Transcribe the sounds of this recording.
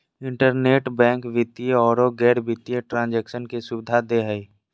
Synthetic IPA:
ɪ̃ɳʈəɾneːʈbɛ̃ːŋkʋɪt̪ieɔːɾoɡɛːɾbɪt̪ieʈɾãːnd͡ʒɛːkʃənkesʊbɪd̪ʱad̪eɦəi

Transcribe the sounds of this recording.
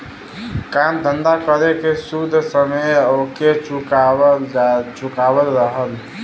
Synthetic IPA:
kamd̪ʱənd̪akəɾekesud̪ʱːsəməjoket͡ʃuk | t͡ʃukabəlɾəɦəl

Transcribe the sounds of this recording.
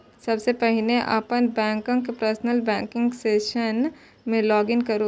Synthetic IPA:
sɐbsepɛɦɪleʔa̰ːpənbɛ̃ːŋkõkepɾəɾsnəlbɛ̃ːŋkɪ̃ŋɡseːʃən | mẽlɔːɡɪnkɐɾo

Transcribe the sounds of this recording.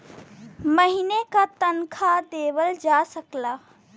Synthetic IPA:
məɦinekat̪ənkʰad̪eːʋəld͡ʒaːsəklaː

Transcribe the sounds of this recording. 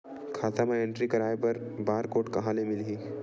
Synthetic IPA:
kʰaːt̪amãɛ̃ɳʈɾikɐɾaːepɐɾ | baːɾkoːʈkɐɦãlemɪliː

